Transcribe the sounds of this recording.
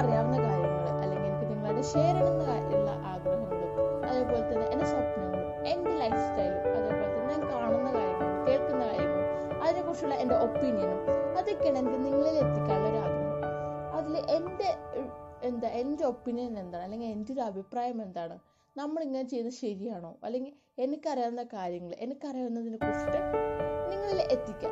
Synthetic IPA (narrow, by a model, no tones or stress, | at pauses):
prɐjaːɾɐnːɐkaːɾjɐŋːɐɭɨʔɐ̰lːeŋɡilkːɨniŋːɐɭɐɽuɕe̞ːɾɐɳɐŋːɐɭaːʔiɭːɐ̰ʔaːɡɾɐɦɐŋːɐɭɨ | ɐðepoːjt̪ːɐnːɨʔenːesɐt̪ːnːunːu | e̞ndelɐjfstɐjlɐðeːpːoːjt̪ːɐɲaːnkaːɳunːɐðaːjiɾnːɐɭkeːɭkunːɐðaːjiɾunːu | ɐðinekːurt͡ɕːuɭːɐe̞nde̞ʔo̞pːinijɐnuɐðokʲːeɳendeniŋːɐɭile̞t̪ːikʲːaːɳɐɾaːd̪ʱɐmːuɐðilʔe̞nde̞ | end̪aʔe̞nde̞o̞pːinjɐnile̞nd̪aːɳɨɐlːe̞ŋɡile̞ndo̞ɾuɐbʱipraːjɐme̞nd̪aːɳɨ | nɐmːɐɭiŋːɐnet͡ɕe̞junːɐɕɐɾijaːɳo̞ːɐ̰lːe̞ŋɡil | e̞nikʲːɐrijaːnnːɐkaːɾjɐŋːɐɭʔe̞nikʲːɐrijaɐnːɐðinɨkosiʈːɐniŋːɐɭilʔet̪ːikʲːa